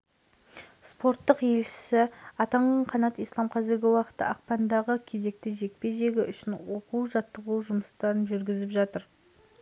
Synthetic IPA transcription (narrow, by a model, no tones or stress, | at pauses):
spo̞ɾt̪ːəqje̞lʃɪ̥sɪɑt̪ɑɴɑɴqʰɑnɑt̪ijslˠɑmqʰɑzɪɾɡʲɪwɑqə̥t̪ə̰ʔɑq̚pɑnd̪ɑʁəkʲʰe̞ze̞k̚t̪ɪʒe̞k̚pe̞ʒe̞ɡʲɪʔʏʃɪnwoquwʒɑt̪ːəʁuwʒʊməst̪ɑɾənʒʏɾɡʲɪzɪpʒɑt̪əɾ